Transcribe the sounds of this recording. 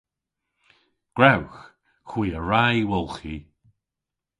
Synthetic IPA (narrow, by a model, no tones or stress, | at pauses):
ɡ̥ɹawx | xwiːəɹajwɔlˠxi